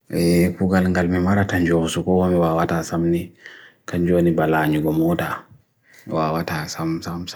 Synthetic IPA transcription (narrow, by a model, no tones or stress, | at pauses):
ʔɛkuɡalŋɡalmimaɾataɲd͡ʒoːsukɔhɔmiwaːwatasamnikaɲd͡ʒoːnibalaːɲuɡɔmɔta | wawataːsamsamsa